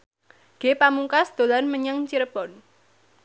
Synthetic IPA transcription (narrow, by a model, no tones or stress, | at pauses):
ɡ̥epamuŋkasd̪̥o̤lanməɲaŋt͡ʃiɾəbɔn